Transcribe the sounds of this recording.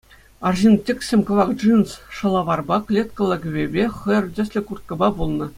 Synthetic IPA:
ɑrʑintʲːɘ̆kʲsʲemʲkŏʋɑkd͡ʐinsʂɤ̆lˠɑʋɑrbɑklʲet̪kɤ̆lʲˠɤ̆ɡʲɘ̆bʲebʲeχɤ̆jɤ̆rʲdʲɘ̆sʲlʲɘ̆kurt̪̚kɤ̆bɑbulˠnɤ̆

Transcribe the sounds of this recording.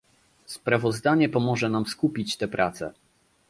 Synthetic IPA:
spɾavɔzd̪aɲɛpɔmɔʐɛnamskupʲit͡ɕt̪ɛpɾʔat̪sɛ̰

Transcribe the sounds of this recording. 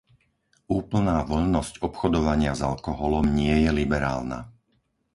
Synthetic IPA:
uːpl̩naːʋɔʎnɔscɔpxɔd̪ɔʋaɲɪazalkɔɦɔlɔmɲɪɛjɛlibɛɾa̰ːlna̰

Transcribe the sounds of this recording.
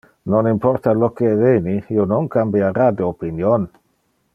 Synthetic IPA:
nonimpɔɾt̪alokeveːniionoŋkambjaɾad̪iopinjon

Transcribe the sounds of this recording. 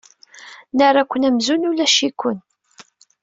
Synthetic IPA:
naɾˤakʷːənæmzunulæʃikʷːən

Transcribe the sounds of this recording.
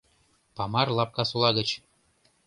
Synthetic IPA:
pɑmɑrlˠɑp̚kɑsulˠɑɣə̆t͡ɕ

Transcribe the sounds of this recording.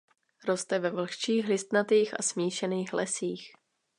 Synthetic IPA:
ɾo̞st̪ɛvɛvl̩xt͡ʃiːxlɪst̪nat̪iːxa̰smiːʃɛniːxlɛsiːx

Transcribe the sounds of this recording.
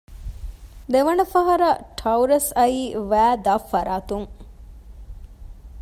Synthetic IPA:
d̪eʋɐnɐfɐɦɐɾɐʈʰɐuɾɐsɐiːʋæːd̪ɐfːɐɾaːt̪uŋ

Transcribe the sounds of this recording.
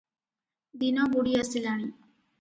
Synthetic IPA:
d̪inãːbuɽiːasɪlaːɽ̃iː

